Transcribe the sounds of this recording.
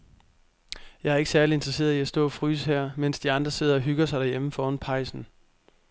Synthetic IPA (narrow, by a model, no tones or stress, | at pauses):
jɑ̈ɪæɐe̝ɡ̥sæɐliend̥ʁɐse̝̰ːɐðˠiæsd̥ɔ̰̽ːfʁy̰ːshæɐ̰men̰sd̥iɑ̈nd̥ʁɐse̝ð̞̰ˠɐɒ̽ɦyɡ̥ɐsɑ̈ɪdæɐjeməfɒːnpʰɑ̈ɪ̰sn̩